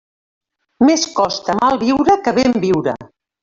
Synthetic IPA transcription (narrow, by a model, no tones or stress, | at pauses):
meskɔst̪əmalˠβiwɾəkəβembiwɾə̰